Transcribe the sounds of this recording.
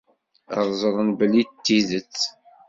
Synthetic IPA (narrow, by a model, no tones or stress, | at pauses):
əʁˤzˤəɾˤənbəlːit̪ːiðət͡sː